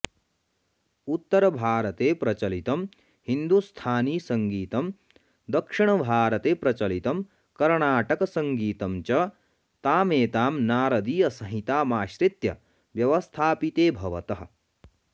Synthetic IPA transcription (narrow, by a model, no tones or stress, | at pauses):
ut̪ːɐɾɐbʱaːɾɐt̪eːpɾɐt͡ʃɐlit̪ɐm | hind̪ust̪ʰaːniːsɐŋɡiːt̪ɐm | d̪ɐkʂiɳɐbʱaːɾɐt̪eːpɾɐt͡ʃɐlit̪ɐm | kɐɾɳaːʈɐkɐsɐŋɡiːt̪ɐmt͡ʃɐ | t̪aːmeːt̪aːmnaːɾɐd̪iːɐsɐɦit̪aːmaːʃɾit̪jɐ̰ | ʋjɐʋɐst̪ʰaːpit̪eːbʱɐʋɐ̰t̪ɐɦɐ̆